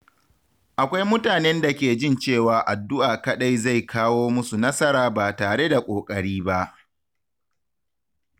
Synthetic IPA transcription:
ʔa˨kʷa˦jmʊ˦taː˨nɛ˦nda˨kʲeː˨d͡ʒɪ˦nt͡ʃeː˦˨waː˨ʔa˨dːʊ˦ʔaː˨kɐ˦ɗa˦jza˦˨jkʰaː˦woː˦mʊ˦su˨nɐ˦sɐ˦ɾaː˨baː˨taː˨ɽe˦da˨kʷʼoː˨kʼɐ˨ɽiː˦ba˦ʔ

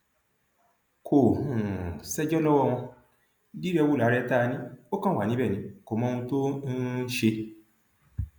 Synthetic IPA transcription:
kʰo˨hũ˨sɛ˦d͡ʒɔ˦lɔ˦wɔ˦˧w̃ɔ̃˧ | di˦ɾɛ˧wu˦˨la˨˦ɾɛ˧˦ta˦˨˧nĩ˦o˦kã˦wa˨nĩ˦bɛ˦˨nĩ˨˧˦ko˨mɔ̃˧˦˧ũ˧to˦n̩˦ʃe˧

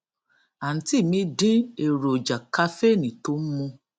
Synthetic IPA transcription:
a˨n̩˨ti˦˨mĩ˧˦dĩ˦e˨ɾo˨d͡ʒa˨ka˧˦fe˦˨nĩ˨to˨˦m̩˦mũ˧

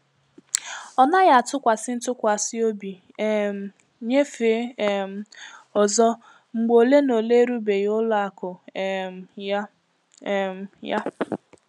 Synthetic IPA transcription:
ɔ˨na˦ɣa˦˨a˨tʊ˦kʷa˨sɪ˦n̩˦tʊ˦kʷa˨sɪ˦o˦bi˨ | m˨ | ɲe˦fe˨˦˨m̩˨ɔ˨zɔ˦ | ŋ͡m̩˨ɡ͡bo˨le˦no˨le˦ɾu˦be˨jʊ˦lʊ˦a˨kʊ˨ | a˦˨ | m̩˨ja˦

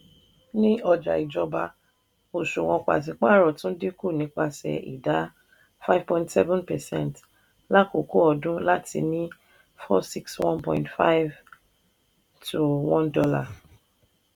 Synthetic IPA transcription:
nĩ˦ɔ˧d͡ʒa̰˨i˨d͡ʒɔ˧ba˧ | o˨ʃu˨w̃ɔ̃˧k͡pa̰˨t̬ĩ˧˦k͡pa˦˨ɾɔ˨tũ˦de˦ku˦˨nĩ˨˦k͡pa˧sɛ̰˨ḭ˨da˨˦ | fa˦jv̥pɔ̃˨ĩ˦ntsɛ˦vɔ̃˦npɛ˨sɛ̰̃˦˨nt | la˦ko˨ko˦ɔ˧dũ˦la˦tʰḭ˧nĩ˦ | fɔ˦si˦kswɔ̃˦npɔ̰̃˧˨ĩntfa˦jv | tʰu˨wɔ̃˦ndɔ˧la˦˨

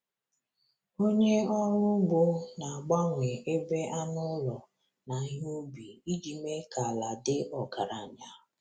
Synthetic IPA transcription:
o˦ɲe˦ɔ˦ɾʊ˦ɡ͡bʊ˦na˨ɡ͡ba˦ŋʷe˨e˦be˦ʔa˦nʊ˦lɔ˨ | na˨˦ɦu˦bi˨i˦d͡ʒi˨me˦ka˨la˨dɪ˦ʔɔ˨ka˨ɾa˨ɲa˨

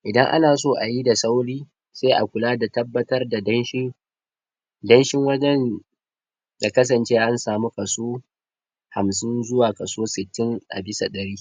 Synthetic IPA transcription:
ʔɪ˨dɐ˦ŋʔa̰˦naː˨soː˦ʔa˨ji˦da˨sa˦wɽiː˦ | seː˦ʔa̰˨kʷʊ˨laː˦da˨tɐ˦bːɐ˦tɐ˦rda˨dɐ˦nʃɪ˦ | dɐ˦nʃɪ˦ŋwɐ˦d͡ʒɛ˦n | da˨kɐ˦s̬ɐ˨nt͡ʃeː˦ʔa˦nsaː˨mu˦kɐ˨soː˦ | ha˨msɪ˦nzʊ˦waː˨kɐ˨soː˦sɪ˨tːɪ˦ŋʔa̰˨bɪ˦sa˨ɗɐ˨ɽiː˦

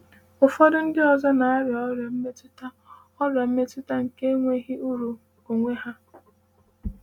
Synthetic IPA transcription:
ʊ˨fɔ˦dʊ˦n̩˦dɪ˦ɔ˨zɔ˦na˨a˦ɾɪ˨ɔ˦ɾa˨m̩˦me˦tta˦ | ɔ˦ɾa˨m̩˦me˦tʊ˦ta˦ŋ̩˨ke˦ŋʷe˦ɦɪ˦u˦ɾu˨ | o˨ŋʷe˦ɦa˦

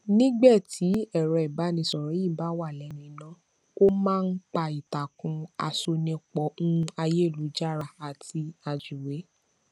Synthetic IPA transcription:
nĩ˦ɡ͡bɛ˦˨tʰi˨˦ɛ˦˨ɾɛ˧ɛ˨ba˨˦nĩ˧˦sɔ˨ɾɔ̃˨˦i˦˨ba˨˦wa˦˨lɛ˨˦nũ˧i˧˨nã˨˦ | o˦mãː˦˧n̩˦k͡pa˧˨i˨ta˨kũ˧a̰˧so˧nɛ̃˧˦k͡pɔ̃˨˦˧a˧je˦˨lu˨˦d͡ʒa˦˨ɾa˧a˨ti˧a˧d͡ʒu˨we˨˦

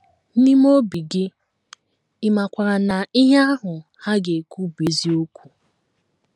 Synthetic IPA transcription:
n̩˦ni˦m˦o˦bi˨ɡɪ˦ | ɪ˨ma˨kʷa˨ɾa˨na˨i˦ɦe˦a˦ɦʊ˨ | ha˦ɡe˨kʷu˦be˨zi˦o˦kʷu̥˨

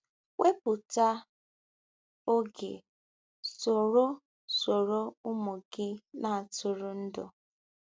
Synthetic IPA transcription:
we˦pʊ˨ta˦ | o˦ɡḛ˨ | so˨ɾo˦ | so˨ɾo˦ʊ˦mʊ˨ɡɪ˦na˨a˨tʊ˨ɾʊ˦n̩˦dɔ̰˨

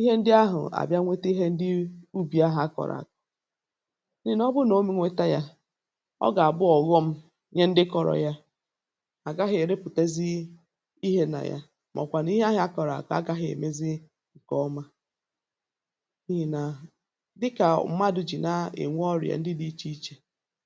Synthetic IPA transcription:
i˦ɦe˦n̩˦dɪ˦a˦ɦʊ̰˨a̰˨bja˦ŋʷe˦te˦ɦe˦n̩˦dɪ˦u˦bi˨a˦ɦa˨˦a˦kɔ̰˨ɾa̰˨kɔ̥˨ | n˦i˦n˦ɔ˦bʊ˦no˨˦me˦ŋʷe˦ta˦ja˦ | ɔ̰˦ɡa˨a˨bʊ˦ɔ˨ɣɔ˦m̩˦ | ɲe˦n̩˦dɪ˦kɔ˨ɾɔ̰˨ja˦ | a˨ɡa˦ɦɪ˨ɾe˦pʊ˨te˦zi˦ | i˦ɦe˦na̰˨ja̰˦ | mʔɔ̰˨kʷa˨n˦i˦ɦe˦a˦ɦa˦kɔ˨ɾa̰˨kɔ˨˦a̰˦ɡa˦ɦɪ˨ḛ˨me˦zɪ˦ | ŋ̩˨kɔ˦ma˦ | ni˦ɦi˨na˨ | dɪ˦ka˨m̩˦ma˦dʊ˨d͡ʒi˨na˨ḛ˨ŋʷ˦ɔ˦ɾ̰a̰˨n̩˦dɪ˦di˦t͡ʃi˦i˦t͡ʃe˦˨

